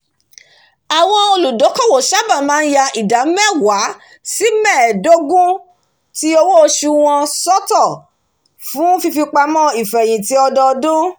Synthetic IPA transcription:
a˨w̃ɔ̃˧o˧lu˨do˨˦kɔ˦˨wo˨ʃa˦˨ba˦˨mãː˦˧n̩˦ja˧i˨da˨˦mɛ˦˨wa˨˦ | si˦mɛ˦˨do˦ɡũ˦ | ti˦o˧wo˦˧ʃu˧w̃ɔ̃˧sɔ˦tɔ˦˨ | fũ˨˦fi˧fi˧k͡pa˧mɔ̃˦i˨fɛ˨j̃ĩ˨ti˨˦ɔ˧dɔ˧dũ˦

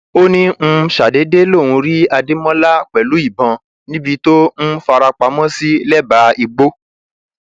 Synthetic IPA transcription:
o˦nĩ˦m̩̃˧ʃa˨de˨˦de˦lõ˦˨ũ˧ɾi˦a˧de˦mɔ̃˦la˦k͡pɛ˨lu˨˦i˦˨bɔ̃˧ | nĩ˦bi˧˦to˦n̩˦fa˧ɾa˧k͡pa˧˦mɔ̃˦si˦lɛ˦ba˨˦i˧ɡ͡bo˦

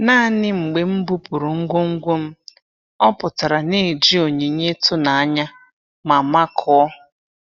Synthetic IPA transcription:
naː˦a˦nɪ˦ŋ͡m̩˨ɡ͡be˨m̩˦bu˦pu˨ɾu˨ŋ̩˦ɡʷo˦ŋ̩˦ɡʷo˦m̩˦ | ɔ˦pʊ˨ta˨ɾa˨ne˦˨d͡ʒi˦o˨ɲe˨ɲe˦tʊ˦na˨a˦ɲa˦ | ma˨ma˦kʰɔ˦ɔ˦

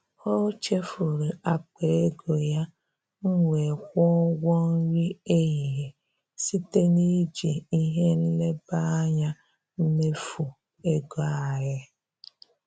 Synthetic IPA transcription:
ho˦t͡ʃe˦fu˨ɾu˨a˨k͡pe˨e˦ɡo˨ja˦ | ŋ̩˦ŋʷe˨kʷɔ˦ɡɔ˦n̩˦ɾi˦e˦ɣi˨ɦe˨ | si˦te˦ni˦d͡ʒi˨i˦ɦe˦n̩˦le˦ba˦ɲa˦ | m̩˦me˦fu˨ | e˦ɡo˨˦a˦˨ɦɪ˦

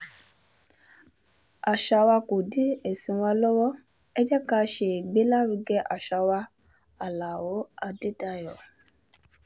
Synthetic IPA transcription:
a˨ʃa˧wa˧ko˨di˨˦ɛ˨sĩ˧wa˧lɔ˦wɔ˦ | ɛ˦d͡ʒɛ˦ka˧˦˧ʃe˧˨ɡ͡be˨˦la˦ɾi˧ɡɛ˦ʔa̰˨ʃa˧wa˧ | a˨la˨wo˨˦a˧de˦ta˧jɔ˨

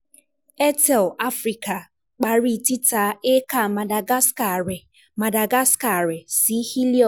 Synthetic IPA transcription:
e˦tɛ˨la˦fɾi˨ka˨ | k͡pa˨ɾi˨ti˦ta˨˦e˦ka˦˨ma˨da˨ɡa˦ska˨ɾ | ma˨da˨ɡa˦ska˨ɾɪ˨si˦hi˦li˦ɔ˨

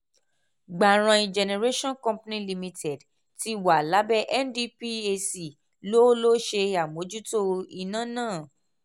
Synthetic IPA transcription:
ɡ͡ba˨ɾ̃ã˧ĩ˧d͡ʒɛ˧ne˧ɾe˦ʃɔ̃˦nkɔ̃˦mpnĩ˦li˧mĩ˧tɛ˨d | ti˧˦wa˨la˨˦bɛ˦ʔɛ˦ndi˦pi˦e˧si˨ | lo˦lo˦ʃe˧a˨mo˨˦d͡ʒu˦to˦i˧nã˦˨nãː˦˨

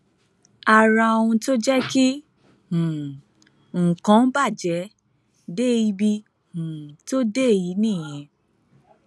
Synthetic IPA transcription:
a˨ɾã˧o˧wũ˧to˦d͡ʒɛ˦ki˦ | hũ˨ | ŋ̩˨kã˨˦ba˦˨d͡ʒɛ˨˦ | de˦i˧bi˧ | hũ˨to˦de˦e˨ji˨˦nĩː˦˨jɛ̃˨˧˦

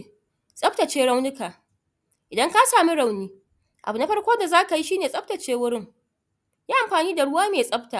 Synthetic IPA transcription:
sʼɐ˦ɸta˨t͡ʃeː˦ɽa˦wnʊ˦kaː˨ | ʔɪ˨dɐ˦ŋka˦saː˨mi˦ɽa˨wniː˦ | ʔa̰˨bu˨na˦ɸɐ˦rkʷoː˦da˨zaː˦ka˨ji˦ʃiː˦neː˨sʼɐ˦p̚tɐ˨t͡ʃeː˦wʊ˦ɽɪ˦ŋ | jaː˦ʔa˨mɸaː˨niː˦da˨ɽʊ˦waː˦meː˨sʼɐ˦btaː˨

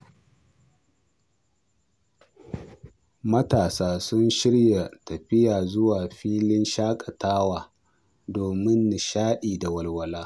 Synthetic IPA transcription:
mɐ˦taː˨saː˦sʊ˦nʃɪ˦ɽja˨tɐ˨ɸɪ˦jaː˨zʊ˦waː˨ɸiː˦lɪ˦nʃaː˦kʼɐ˨taː˦waː˨ | doː˨mɪ˦nːɪ˨ʃaː˦ɗiː˨da˨wɐ˨lwɐ˨laː˦

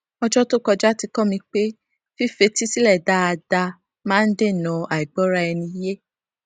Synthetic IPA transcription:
ɔ˧d͡ʒɔ˦to˦kɔ˧d͡ʒa˦ti˧kɔ˦mĩ˧k͡pe˦ | fi˦fe˧ti˦si˦lɛ˦˨da˨˧a˧da˧ | mãː˦n̩˦de˦˨nɔ̃˧˨a˨i˨ɡ͡bɔ˦ɾa˦ɛ˧nĩ˧˦je˦

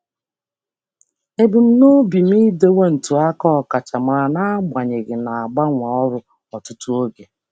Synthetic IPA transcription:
e˦bi˨m̩˦no˦bi˨m˦i˦de˦we˦n̩˨tu˨a˦kɔ˦ɔ˨ka˨t͡ʃa˨ma˨a˨na˦ɡ͡ba˨ɲe˨ɣɪ˨na˨a˨ɡ͡ba˦ŋʷa˨ɔ˦ɾʊ˦ | ɔ˨tʊ˦tʊ˦o˦ɡe˨

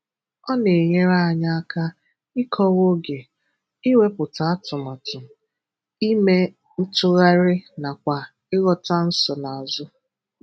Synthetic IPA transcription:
ɔ˦ne˨ɲe˦ɾa˦a˨ɲa˦a˦ka˦ | ɪ˦kʰɔ˦ɣo˦ɡe˨ | i˦we˦pʊ˨ta˨˦tʊ˨ma˨tʊ˨m˨ | i˦me˦ | n̩˦tʊ˦ɣa˦ɾɪ˦na˨kʷa˨ | ɪ˦ɣɔ˦ta˦n̩˦sɔ˨na˨a˨zʊ˦

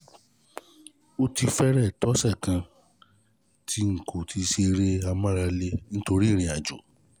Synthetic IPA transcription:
o˦ti˧fɛ˦ɾɛ˦˨tɔ˦sɛ˦˨kã˧ | tʰi˧ŋ̩˨kʰo˨tʰi˧ʃe˧ɾe˦a˧mã˦ɾa˧le˦nĩ˦to˧ɾi˦˨ɾ̃ĩ˨a˨d͡ʒo̰˨

